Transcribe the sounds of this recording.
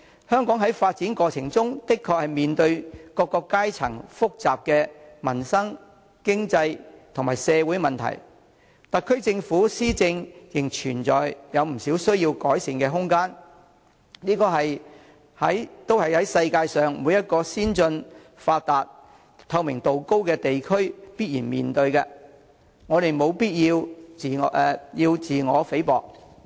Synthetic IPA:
hœː˥ŋkɔː˨˥ŋɦɐ˨˥jfaː˧t̚t͡siː˨˥nkʷɔː˧t͡sʰɪ˨˩ŋt͡sʊ˥ŋt̪ɪ˥kʰːɔː˧k̚hɐ˨˩jmiː˨nt̪ɵ˧ɥkɔː˧kːɔː˧kːaː˥jt͡sʰɐ˨˩ŋfʊ˥k̚t͡saː˨p̚kɛː˧mɐ˨˩nsɐ˥ŋ | kɪ˥ŋt͡sɐ˧jt̪ʰʊ˨˩ŋmaː˨˩jsɛː˨˧wuː˨˥jmɐ˨nt̪ʰɐ̰˨˩j | t̪ɐ˨˩kʰɵ˥ɥt͡sɪ˧ŋfuː˨˥siː˥t͡sɪ˧ŋjɪ˨˩ŋt͡ʃʰyː˨˩nt͡sɔː˨jjɐ˨˧wm̩˨˩siː˨˥wsɵ˥ɥjiː˧wkɔː˨˥jsi˧ŋkɛː˧ɦʊ˥ŋkaː˥n | niː˥kɔː˧ɦɐ˨j | hɐ˨˥jt̪o˥whɐ˨jhɐ˨˥jsɐ˧jkaː˧jsœː˨ŋmuː˨˥jɐ˥t̚kɔː˧siː˥nt͡sɵ˧n | faː˧t̚t̪aː˨t̚ | t̪ʰɐ˧wmɪ˨˩ŋt̪o˨wko˥wkɛː˧t̪e˨jkʰɵ˥ɥpiː˥t̚jiː˨˩nmiː˨˩nt̪ɵ˧ɥkɛː˧ | ŋɔː˨˧ɾe˨jmo˨˧wpiː˥t̚jiː˧wi˨jiː˧wt͡siː˨ŋɔː˨˧fe˨˥jpɔ̰ː˨k̚

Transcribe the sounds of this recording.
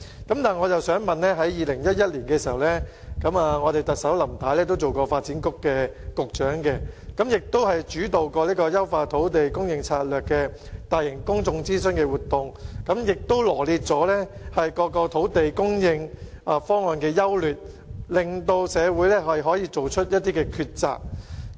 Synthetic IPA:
kɐ˨˥mt̪aː˨nŋɔː˨˧jɐ˨wsœː˨˥ŋmɐ˨nlɛː˥ɦɐ˨˥jjiː˨˧lɪ˨˩ŋjɐ˥t̚jɐ˥t̚liː˨˩nkɛː˧siː˨˩hɐ˨˩wlɛː˥ | kɐ˨˥maː˨ŋɔː˨˧t̪e˨jt̪ɐ˨k̚sɐ˨˥wlɐ˨˩mt̪ʰaː˨˥jlɛː˥t̪o˥wt͡so˨wkɔː˧faː˧t̚t͡siː˨˥nkʊ˥kːɛː˧kʊ˨k̚t͡ʃœː˨˥ŋkɛ˧kɐ˨˥mjɪ˨k̚t̪o˥whɐ˨jt͡ʃyː˨˥t̪o˨wkɔː˧liː˥kɔː˧jɐ˥wfaː˧t̪ʰo˨˥wt̪e˨jkʊ˥ŋjɪ˧ŋt͡sʰaː˧t̚lœː˨˩kːɛː˧ | t̪aː˨jɪ˨˩ŋkʊ˥ŋt͡sʊ˧ŋt͡siː˥sɵ˥nkɛ˧wuː˨t̪ːʊ˨ŋkɐ˨˥mjɪ˨k̚t̪o˥wlɔː˨˩liː˧t̚t͡sɔː˨˥lɛː˥hɐ˨jkɔː˧kɔː˧t̪ʰo˨˥wt̪e˨jkʊ˥ŋjɪ˧ŋ | ʔaː˨˧fɔː˥ŋɔː˨˧nkɛː˧jɐ˥wlyː˨t̚ | lɪ˨˩ŋt̪o˧wsɛː˨˧wuː˨˥jlɛː˥ɦɐ˨jɦɔː˨˥jiː˧t͡so˨wt͡ʃʰɵ˥t̚jɐ˥t̚t̪iː˥kɛː˧kʰyː˧t̚t͡sa̰ː˨k̚

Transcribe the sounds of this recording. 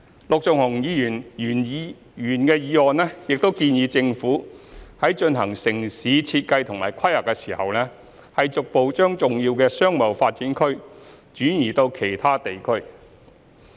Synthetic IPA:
lʊ˨k̚t͡sʊ˨ŋhʊ˨˩ŋjiː˨˧jyː˨˩nː˨˩n˧ | jyː˨˩nkɛː˧jiː˨˧ɔː˨nɛː˥jɪ˨k̚t̪o˥wkiː˧njiː˨˧t͡sɪ˧ŋfuː˨˥hɐ˨˥jt͡ʃɵ˧nɦɐ˨˩ŋsɪ˨˩ŋsiː˨˧t͡sʰiː˧t̚kɐ˧jt̪ʰʊ˨˩ŋma̰ː˨˩jkʰɐ˥jhɐ˨˩kːɛ˧siː˨˩hɐ˨wlɛː˥ | hɐ˨jt͡sʊ˨k̚po˨˧wt͡ʃœː˥ŋt͡sʊ˨ŋjiː˧wkɛː˧sœː˥ŋmɐ˨wfaː˧t̚t͡siː˨˥nkʰɵ˥ɥ | t͡ʃyː˨˥jiː˨˩t̪o˧wkʰe˨˩jt̪ʰaː˥t̪e˨jkʰɵ˥ɥ

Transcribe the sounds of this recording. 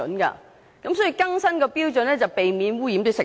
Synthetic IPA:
ɵ̰˨˥nkɐ̰˧ | kɐ˨˦ms̬ɔː˨˥ji˧kɐ˥ŋsɐ˥nkɔ˧piː˥wt͡sɵ˨˥nlɛ˥t͡sɐ˨wpe˨jmiː˨˥nwuː˥jiː˨˥mt̪o˥sɪ˨˩

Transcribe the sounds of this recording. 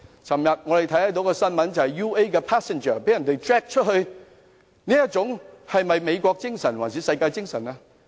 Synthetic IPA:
t͡sʰɐ˨˩mjɐ˨˩t̚ŋɔ˨˧de˨˩jt̪ʰɐ˨˥jhɐ˨˥˩t̪o˧˥wkɔː˧sɐ˥nmɐ˨˥nt͡swhɐ˨˩jju˧˥e˥jkɛ˧pʰaː˦˥sɛ˨nt͡ʃəː˨˩pe˨˥jɐ˨˩nt̪e˨˧jtʰɹɛ˦˥k̚t͡ʃʰə˥t̚hɵ˧j | niː˥jɐ˥t͡sʊ˨˥ŋhɐ˨jmɐ˨˩jme˨˧jkʷɔː˧k̚t͡ɕɪ˥ŋsɐ˨˩nwaː˨˩nsi˨˧˥sɐ˧jkaː˧jt͡ɕɪ˥ŋsɐ˨˩naː˧

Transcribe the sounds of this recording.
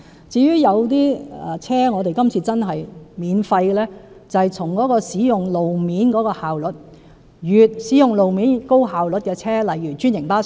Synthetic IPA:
t͡siː˨˧jyː˥jɐ˨˧wt̪iː˥ɛ˨˩t͡sʰɛː˥ŋɔː˨˧t̪e˨jkɐ˥mt͡sʰiː˧t͡sɐ˥nɦɐ˨jmiː˨˧nfɐ˧jkɛ˧lɛː˥ | t͡sɐ˨jt͡sʰʊ˨˩ŋkɔː˨˥kɔː˧siː˨˥jʊ˨ŋlo˨wmiː˨˥nkɔː˨˧˥kɔː˧haː˨wlɵ˨˥t̚ | jyː˨t̚siː˨˥jʊ˨ŋlo˨wmiː˨˥nko˥wɦaː˨wlɵ˨˥t̚kɛː˧t͡sʰɛː˥lɐ˨jːyː˨˩t͡ʃyː˥njɪ˨˩ŋpaː˥

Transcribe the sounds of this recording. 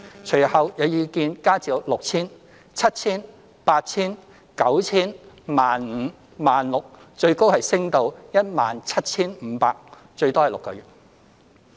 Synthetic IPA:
t͡ʃʰɵ˨˩hɐ˨wjɐ˨˧wjiː˨˧kiː˧nkaː˥t͡siː˨˧wlʊ˨k̚t͡sʰiː˥n | t͡sʰɐ˥t̚t͡sʰiː˥n | paː˧t̚t͡sʰiː˥n | kɐ˨˥wt͡sʰiː˥n | maː˨nm̩˨˧˥ | maː˨nlʊ˨k̚ | t͡ʃɵ˧ɥko˥whɐ˨jsɪ˥ŋt̪o˧wjɐ˥t̚maː˨nt͡sʰɐ˥t̚t͡sʰiː˥nm̩˨˧˦paː˧k̚ | t͡ʃɵ˧ɥt̪ɔː˥ɐ˨jlʊ˨kːɔ̰ː˧ɥyː˨˩t̚

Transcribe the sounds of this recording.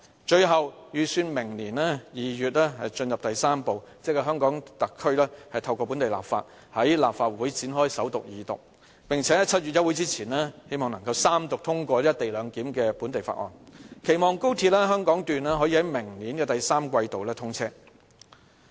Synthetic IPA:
t͡ʃɵ˧ɥɦɐ˨wjyː˨˩syː˧nmɪ˨˩ŋliː˨˩nɛː˥jiː˨jyː˨t̚lɛː˥hɐ˨jt͡ʃɵ˧njɐ˨p̚t̪ɐ˨jsaː˥mpo˨wt͡sɛ˥kːa˨˧ɦœː˥ŋkɔː˨˥ŋt̪ɐ˨kʰːɵ˥ɥlɛː˥hɐ˨jt̪ʰɐ˧wkʷɔː˧p̬u˨˥nt̪e˨˩la̰ː˨p̚fa̰ː˧t̚ | hɐ˨˥jlaː˨p̚faː˧t̚wuː˨˥jt͡siː˨˥nɦɔː˥jsɐ˨˥wt̪ʊ˨k̚jiː˨˧t̪ʊ̰˨k̚ | pɪ˨ŋt͡sʰɛ˨˥ɐ˥t͡sʰɐ˥t̚y˨t̚jɐ˥wu˨˥jt͡siː˥t͡sʰiː˨˩nɛː˥he˥jmɔː˨˩ŋnɐ˨˩ŋkɐ˧wsaː˥mt̪ʊ˨k̚t̪ʰʊ˥ŋkʷɔː˧liː˥jɐ˥t̪e˨jlœː˨˧ŋkiː˨˥mkɛː˧puː˨˥nt̪e˨jfa̰˧˩ʔɔ̰ː˨˩nkʰe˨˩jmɔː˨ŋko˥wt̪ʰiː˧t̚lɛː˥ɦœː˥ŋkɔː˨˥ŋt̪yː˨nɛː˥ɦɔ˨˥jiː˧hɐ˨˥jmɪ˨˩ŋniː˨˥nkɛː˧t̪ɐ˨jsaː˥mkʷɐ˧jt̪o˨wlɛː˥t̪ʰʊ˥ŋt͡sʰɛː˥

